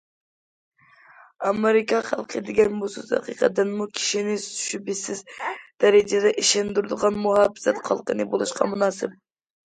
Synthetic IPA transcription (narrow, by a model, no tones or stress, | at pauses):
ɑmeɾɪkɑχɑ̰lˠqʰəd̪ɪɡʲɛnbusuzhɑ̰qiqʰɑ̰d̪ɨnmukʲʰi̥ʃinɪsʃybɪsɪzd̪̥ɛɾɛd͡ʒɛd̪ɛʔiʃɛnd̪uɾd̪ɨʁɑnmuhɑbɪ̥zɛt̪qʰɑ̰lˠqənɨbolˠuʃqɑ̰munɑːsɪp̚